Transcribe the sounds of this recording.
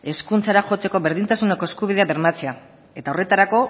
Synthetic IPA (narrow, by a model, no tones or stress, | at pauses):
e̞skunt͡saɾaʝo̞t͡se̞ko̞βe̞ɾðint̪asune̞ko̞eskuβiðe̞aβe̞ɾmat͡sea | e̞t̪aore̞t̪aɾako̞